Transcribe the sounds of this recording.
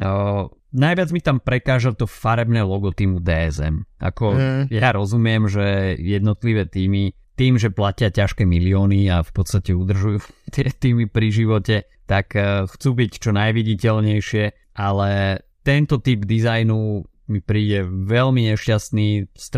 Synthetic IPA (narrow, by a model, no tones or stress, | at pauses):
najʋɪad͡zmit̪ampɾɛkaːʒat̪ɔfaɾɛbnɛlɔɡɔt̪imud̪ɛːɛzɛ̰mʔa̰kɔjaɾɔzumɪɛmʒɛjɛd̪nɔt̪liʋɛːt̪iːmi | t̪iːmʒɛplacɪacaʃkɛːmiliɔːniafpɔt̪st̪acɛud̪r̩ʒujuːft̪ɪɛt̪iːmipɾiʒiʋɔcɛ | t̪akxt͡suːbict͡ʃɔnajʋiɟicɛlɲɛjʃɪɛ | ʔalɛt̪ɛnt̪ɔt̪iːbd̪izajnu | mipɾiːɟɛʋɛlmiɲɛʃcast̪niːst̪